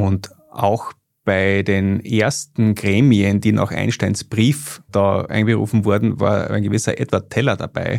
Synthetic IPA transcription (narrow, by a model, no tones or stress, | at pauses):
ʊnt | ʔa̰ʊx | b̥aɪdeːnʔeɐstn̩ɡʁeːmiənd̥iːnʔa̰ːxʔã̰ɪnʃtaɪnsb̥ʁiːfd̥aːʔa̰ɪ̃nɡəʁṵːfn̩vʊɐdn̩va̰ːɐæ̰ɪnɡəvɪsɐʔɛtv̥ɐtʰɛlɐda̰b̥a̰ɪ